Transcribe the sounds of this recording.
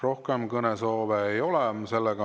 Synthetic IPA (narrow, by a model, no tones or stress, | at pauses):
ro̞hkemkɤneso̞ːveːjo̞lɛse̞lːeɡɑ